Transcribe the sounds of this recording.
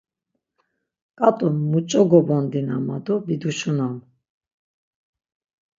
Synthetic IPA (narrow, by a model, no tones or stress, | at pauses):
kʼat̪ʼunmut͡ʃʼɔɡɔbɔnd̪inamad̪ɔbid̪uʃunam